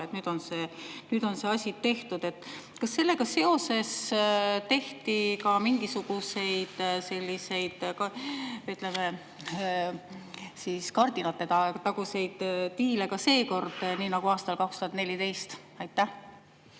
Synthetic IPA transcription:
et̪nyːd̪̥o̞nse̞ːnyːd̪̥o̞nseɑsʲit̪ːe̞ht̪ud̪̥e̞t̪ːˑ | kɑsːe̞lːe̞ɡɑse̞o̞se̞st̪e̞ht̪ikɑmiŋɡ̥isuɡ̥use̞jd̪̥se̞lʲːise̞jd̪̥kɑyt̪ˑleme | siːskɑrd̪̥inɑt̪ːˑe̞t̪ɑt̪ɑɡ̥use̞jd̪̥t̪iːlekɑse̞ːko̞rd̪̥niːnɑɡ̥uɑːst̪ɑlkɑkst̪uɑt̪ne̞lʲit̪e̞jst̪ | ɑjt̪ːæh

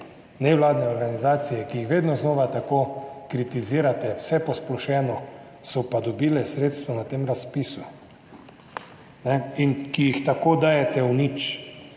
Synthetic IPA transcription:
nɛwlaːd̪nɛɔɾɡanizaːt̪sijɛkijixʋeːd̪nɔznoːʋat̪akoːkɾit̪iziːɾat̪ɛwsɛpɔsplɔʃɛːnɔ | sɔpad̪ɔbiːlɛsɾeːt̪st̪ʋɔnat̪eːmɾaspiːsu | nɛinkijixt̪akoːd̪aːjɛt̪ɛwnit͡ʃ

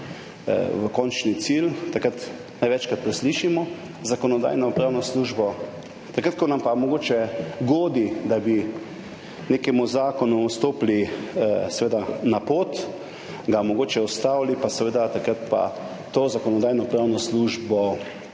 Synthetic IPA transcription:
ʋəkɔnt͡ʃnit̪silt̪akɾat̪ | najʋɛt͡ʃkɾat̪̚pɾɛsliːʃimɔ | zakɔnɔd̪a̰ːjnɔpɾaːwnɔsluːʒbɔ | t̪akɾat̪̚kɔnampamɔɡoːt͡ʃɛɡoːd̪id̪abi | nekɛmuzaːkɔnuust̪oːplisɛʋeːd̪anapoːt̪ | ɡamɔɡoːt͡ʃɛɔst̪aːwlipasɛʋeːd̪at̪akɾat̪pa̰ | t̪oːzakɔnɔd̪aːjnɔpɾaːwnɔsluːʒbɔ

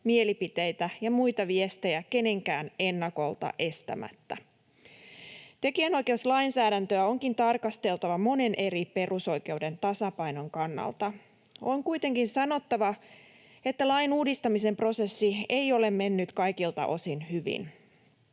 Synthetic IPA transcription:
mie̞lipit̪e̞jt̪æjɑmujt̪ɑʋie̞st̪e̞jæke̞ne̞ŋkæːne̞nːɑko̞lt̪ɑ̰ʔe̞st̪æ̰mæ̰t̪ːæ̰ | t̪e̞kiæno̞jk̟e̞uslɑjnsæːdænt̪øæo̞ŋkint̪ɑrkɑst̪e̞lt̪ɑʋɑmo̞ne̞nʔe̞ɾipe̞ruso̞ike̞ude̞nt̪ɑsɑpɑjno̞ŋkɑnːɑ̰lt̪ɑ | o̞ŋkujt̪e̞ŋkinsɑno̞t̪ːɑʋɑ | e̞t̪ːælɑjnuːdist̪ɑmise̞mpro̞se̞sːieijo̞le̞mːe̞nːyt̪kɑjkilt̪ɑ̰ʔo̞sinhyʋḭn

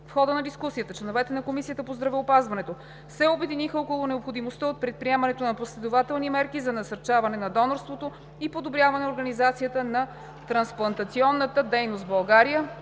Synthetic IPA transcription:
fxɔd̪ənɐd̪iskusijət̪ət͡ʃlɛnovɛt̪ɛnɐkomisijət̪əpozd̪ɾɐvɛopazvɐnɛt̪o | sɛobɛd̪inixəokolˠonɛopxod̪imost̪əot̪̚pɾɛt̪̚pɾiɛmɐnɛt̪onɐposlɛd̪ovat̪ɛlˠnimɛɾkizɐnɐsɐɾt͡ʃavɐnɛnɐd̪ɔnoɾst̪vot̪o | ipod̪obɾʲjavɐnɛoɾɡɐnizat̪sijət̪ənɐ | t̪ɾɐnsplˠɐnt̪ɐt̪siɔnːət̪əd̪ɛjnost̪bɐlˠɡaɾijə

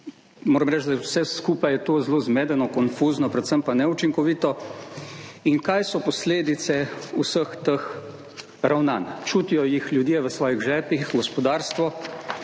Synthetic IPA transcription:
moːɾəmɾɛt͡ʃd̪awsɛskuːpajɛt̪oːzloːzmeːd̪ɛnɔkɔnfuznɔpɾɛt̪səmpanɛut͡ʃiŋkɔʋiːt̪ɔ | inkajsɔpɔsleːd̪it̪sɛusəxt̪əx | ɾawnaːnt͡ʃut̪ijɔjixlʲjud̪jɛʋəsʋɔːjiɣʒɛːpixɡɔspɔd̪aːɾst̪ʋɔ

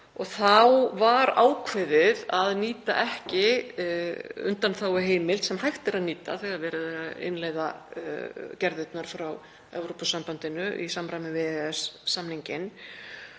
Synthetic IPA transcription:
ɔɣθawvaɾaːwkʰvɪðɪðaðniːt̪a̰ʔɛhcɪ | ʏ̰nt̪anθawɪɦeːjmɪlsɛmɦajxt̪ɪɾaðniːt̪a̰θɛɣavɛːɾɪðɪ̰nlejða | cɛɾðɪt̪naɾ̥fɾaw | ɛ̰vɾɔpɔsːampant̪ɪnʏʔḭsamɾajmɪvɪɛsːamniɲcɪn

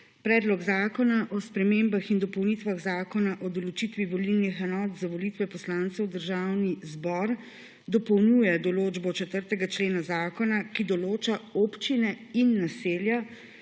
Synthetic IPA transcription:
pɾɛːd̪lɔɡzaːkɔnaʔɔspɾɛmeːmbaxind̪ɔpɔwnit̪ʋaɣzaːkɔnaʔɔd̪ɔlɔt͡ʃit̪ʋiʋɔlilnixɛnɔːt̪zaʋɔlit̪ʋɛpɔslant̪sɛwd̪əɾʒawnizbɔɾ | d̪ɔpɔwnjujɛd̪ɔloːd͡ʒbɔt͡ʃɛt̪əɾt̪ɛɡat͡ʃleːnazaːkɔnakid̪ɔloːt͡ʃaopt͡ʃinɛinːaseːlja

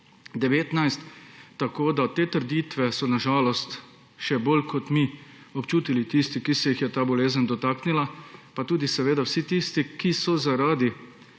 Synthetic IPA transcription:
d̪ɛʋeːt̪najst̪ːakoːd̪at̪eːt̪əɾd̪it̪ʋɛsɔnaʒaːlɔst̪ | ʃɛbolkʰɔt̪mi | ɔpt͡ʃuːt̪ilit̪ist̪ikisɛjixjɛt̪aːbɔleːzənd̪ɔt̪aːknilapat̪uːd̪isɛʋeːd̪awsit̪ist̪ikisɔzaɾaːd̪i

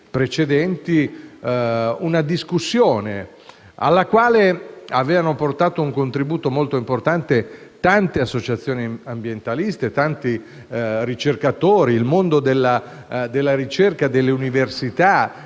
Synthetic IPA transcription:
pɾet͡ʃed̪ɛnt̪i | unad̪iskusːjoːne | a̰lːakwaːleavɛːvanoport̪aːt̪ouŋkont̪ɾibuːt̪omolt̪oimport̪ant̪et̪ant̪easːot͡ʃat̪sːjoːniambjent̪alist̪et̪ant̪i | rit͡ʃerkat̪oːɾiːlmond̪od̪elːa | d̪elːaɾit͡ʃerkad̪elːeuniversit̪a

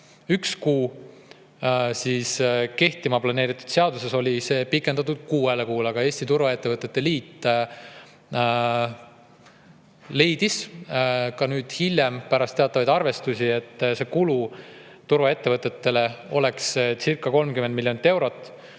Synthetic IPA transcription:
ykskuː | siːske̞ht̪imɑplɑne̞ːɾit̪ːˑu̥d̪̥se̞ɑd̪use̞so̞lʲise̞ːpikːˑend̪̥ɑt̪ːˑud̪̥̚kuːelekuːlɑɡ̥ɑe̞ːsʲt̪it̪uɾvɑe̞t̪ːevɤt̪ːˑe̞t̪ːe̞liːt̪ː | le̞jd̪̥is | kɑnyːd̪̥hilʲjempæɾɑst̪e̞ɑt̪ˑːɑvɑjd̪ɑrve̞st̪usʲie̞t̪ːse̞kulut̪urvɑe̞t̪ːe̞vɤt̪ːˑe̞t̪ːe̞le̞o̞le̞kssirkːˑɑko̞lmkymend̪milʲːjo̞nit̪ːˑe̞wɾo̞t̪ːˑ

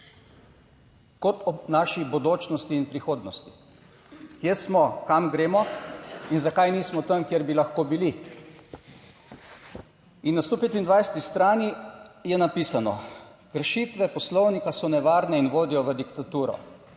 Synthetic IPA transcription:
kɔt̪ɔnaʃibod̪oːt͡ʃnɔst̪iːnpɾixoːd̪nɔst̪i̥ | kjesmɔkamɡɾeːmɔinzakajniːsmɔt̪əmkjeɾbilaxkoːbili | inːast̪oːpeːt̪ind̪ʋajsɛ̥t̪ist̪ɾaːnijɛnapiːsanɔ̰kəɾʃiːt̪ʋɛpɔslɔwnikasɔnɛʋaːɾnɛinʋoːd̪ijɔʋəd̪ikt̪at̪uːɾɔ̰

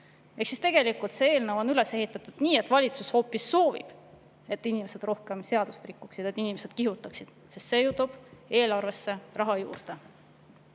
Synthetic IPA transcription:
e̞ksist̪e̞ɡ̥e̞likult̪see̞ːlnəvo̞nyle̞se̞ɦit̪ːˑɑt̪ud̪̥niːet̪ːˑvɑlʲit̪susho̞ːpːˑisːo̞ːvḭb̥ | e̞t̪ːˑinimese̞d̪̥ro̞hke̞mse̞ɑd̪̥ust̪rikˑːuksid̪̥e̞t̪ːˑinimese̞d̪̥kiɦut̪ːˑɑksid̪̥sest̪se̞jut̪ub̥e̞ːlɑrve̞sːe̞rɑɦɑjṵːrd̪̥e̞

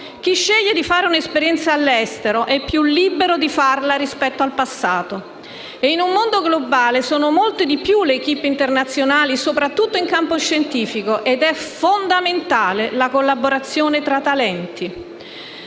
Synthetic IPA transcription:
k̟iʃːɛʎːed̪ifaːɾeunespeɾjɛnt̪saːlːɛst̪eɾoʔɛpːjulːibeɾod̪ifarlaɾispɛt̪ːoalpasːaːt̪o | einumːond̪oɡlobaːlesɔːnomolt̪ed̪ipjuleːk̟ipːint̪ernat̪sːjonaːlisopɾat̪ːut̪ːoiŋkampoʃːent̪iːfikoʔed̪ɛfond̪ament̪aːlelakolːaboɾat̪sːjoːnet̪ɾat̪ːalɛnt̪i

